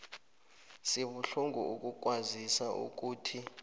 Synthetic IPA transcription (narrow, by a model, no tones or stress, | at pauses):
siɓuɬuŋʱuuk̬uk̬wazisaʔṵk̬uːtʰi